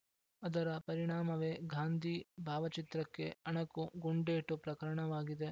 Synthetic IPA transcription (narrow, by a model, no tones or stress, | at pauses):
ɐd̪ɐɾɐpɐɾiɳ̃aːmɐʋeːɡʱaːnd̪ʱibʱaːʋɐt͡ʃit̪ɾɐkːe̞ɐɳɐkuɡuɳɖeːʈːupɾɐkɐɾɐɳɐʋaːɡid̪e